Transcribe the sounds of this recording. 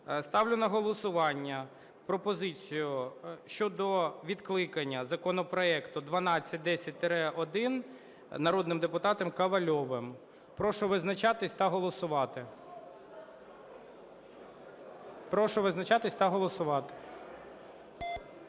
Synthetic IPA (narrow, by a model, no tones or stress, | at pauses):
st̪ɑwlʲʊnɐɦɔlˠɔsʊʋɑnʲːɐ | pɾɔpɔzɪt͡sʲijʊʃt͡ʃɔd̪ɔʋʲid̪klˠɪkɐnʲːɐzɐkɔnɔpɾɔɛkt̪ʊd̪ʋɐnɑt͡sʲːɐt̚ʲd̪ɛsʲɐt̚ʲt̪ɾɛʔɔd̪ɪn | nɐɾɔd̪nɪmd̪epʊt̪ɑt̪ɔmkɐʋɐlʲɔʋɪm | pɾɔʃɔʋɪznɐt͡ʃɑt̪ɪsʲt̪ɐɦɔlˠɔsʊʋɑt̪ɪ | pɾɔʃɔʋɪznɐt͡ʃɑt̪ɪsʲt̪ɑɦɔlˠɔsʊʋɑt̪ɪ̥